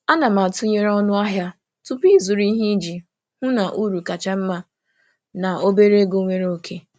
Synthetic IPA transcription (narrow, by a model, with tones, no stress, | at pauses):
a˦na˨ma˨tʊ˦ɲe˦ɾɔ˦nʊ˦a˦ɦja˦ | tʊ˦pi˦˨zu˨ɾi˦ɦi˦d͡ʒi˨ | hʊ˦na˨ʔu˦ɾu˨ka˨t͡ʃa˦m̩˦ma˦ | na˨o˦be˦ɾe˦ɡo˦ŋʷe˦ɾo˦kʰe˦